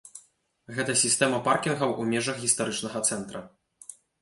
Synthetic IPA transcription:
ɣɛt̪ɐsʲist̪ɛmɐparkʲinɣɐwʔumʲɛʐɐxɣʲist̪aɾɨt͡ʂnɐɣɐt̪sɛnt̪ɾɐ

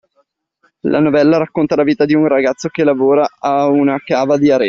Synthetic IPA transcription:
lʔa̰novɛlːaɾakːont̪alaviːt̪ad̪iunraɡat̪sːokelavoːɾaaunakaːvad̪iaɾɛː

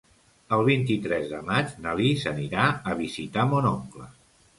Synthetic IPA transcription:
əlˠβ̞int̪it̪ɾɛzðəmad͡ʒnalisəniɾaəβ̞izit̪amonoŋklə̰

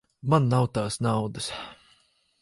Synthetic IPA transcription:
manːawt̪aːsnawd̪əs

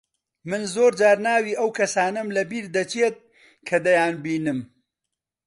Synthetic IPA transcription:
mɨnzoːɾd͡ʒaːɾnaːwiːʔɐwkʰɐsaːnɐmlɐbiːɾd̪ɐt͡ʃeːt̪̚ | kʰɐd̪ɐjaːnbiːnɨm

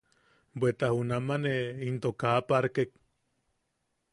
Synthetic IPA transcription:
bʷet̪ahunamaneint̪okapaɾkek̚

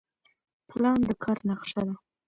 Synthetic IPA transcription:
plɑnd̪əkʰɑɾnaqʂad̪a

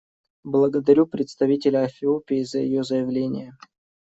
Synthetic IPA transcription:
blˠəɡəd̪ɐɾʲupɾʲɪt̪st̪ɐvʲitʲɪlʲəɐfʲɪopʲɪːzəjɪjozəjɪvlʲenʲɪ̰jə

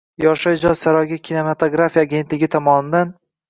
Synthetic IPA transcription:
jɒʃad͡ʒɒzsaɾɒjɡʲikʲʰinemat̪ʰoɡɾafijaːɡʲe̞nt̪lɪɡʲɪt̪ʰɒmɒnɪd̪an

